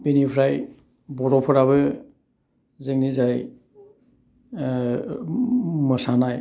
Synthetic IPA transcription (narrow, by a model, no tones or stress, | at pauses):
binipʰɾaj | bɔɾɔpʰɔɾaβɯ | zɯŋnizaj | mɯsanaj